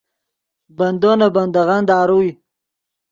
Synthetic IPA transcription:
bɐnd̪onaband̪aɣand̪aːɾui

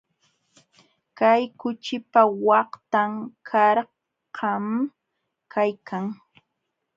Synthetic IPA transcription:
kajkʊt͡ʃɪpawɑht̪amkʰaɾ | qɑm | kʰajkʰaŋ

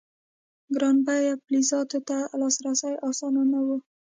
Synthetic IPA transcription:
ɡɾɑnbajaplizɑt̪ot̪alɑsɾasajɑsɑnanawu

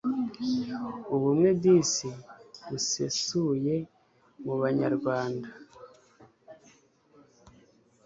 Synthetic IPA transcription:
uβumŋebdisiisesuje̞ | muβaɲa̰ɾɡwaːnda

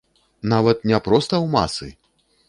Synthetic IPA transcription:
navɐt̪̚nʲɛpɾɔst̪ɐwma̰sɨ

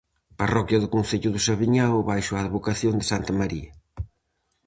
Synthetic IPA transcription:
pɐrɔkjɐðʊkõnθeʎʊðʊsɐβiɲawβajʃʊaːðβokɐθjond̪ɪsant̪ɐmɐɾḭɐ

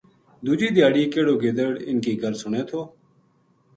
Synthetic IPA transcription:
d̪uːd͡ʒiːd̪ʱɪjaːɽiːkeːɽoːɡeːd̪əɽɪ̰nkiːɡʱəɾsʊɳẽːt̪ʰoː

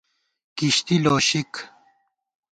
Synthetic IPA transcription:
kiɕt̪iloːɕik

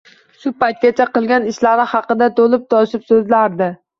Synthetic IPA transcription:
ʃʊpajt̪̚ɡʲat͡ʃʰaqɨlˠɡʲanɪʃlaɾɪhɑqɨd̪at̪ʰolɪp̚t̪ɒʃɪpsɵzlaɾd̪ɪ

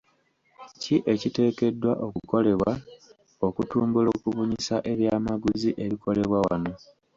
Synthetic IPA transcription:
ciʔe̞cite̞ːke̞dːwaʔo̞kuko̞le̞βwa | o̞kutuːmbulo̞ːkuβuɲisaʔe̞βjaːmaɡuziʔe̞ɾikʰo̞le̞βwawa̰no̞

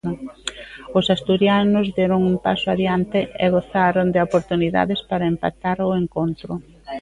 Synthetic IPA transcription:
ʊsast̪uɾjanʊzðɛɾʊŋumpa̰sʊaðjant̪ɪɛɣoθaɾʊŋd̪ɪopoɾt̪uniða̰ðɪspaɾɐempa̰t̪aɾʊeŋkont̪ɾʊ

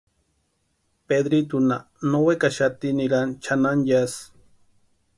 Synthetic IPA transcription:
ped̪ɾit̪una | nowekaʃat̪iniɾant͡ʃʰananjas

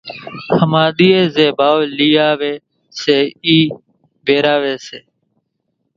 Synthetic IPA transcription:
həmaːɗ̪iːeːzeːbaːʋliːaːʋeː | seːiː | beːɾaːʋeːseː

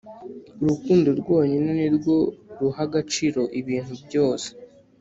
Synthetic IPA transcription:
uɾukuːndoɾɡwo̞ːɲenoniɾɡo̞ɾuhaɡat͡ʃiːɾo̞ʔiβiːn̥hubɟo̞ːse̥

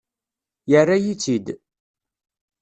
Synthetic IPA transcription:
jərːajit͡sːid̪

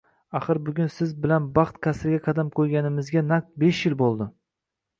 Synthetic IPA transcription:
aχɨɾbʊɡʲʊnsɪzbɪlanbɑχt̪kʲʰasɾɪɡʲaqʰɑd̪amkʰojɡʲanɪmɪzɡʲanak̚t̪̚beʃjɪlbolˠd̪ɪ

